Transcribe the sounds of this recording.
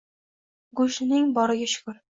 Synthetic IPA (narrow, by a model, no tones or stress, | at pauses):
ɡuʃɪnɪŋbɒɾɪɡʲaʃʊ̥kʊɾ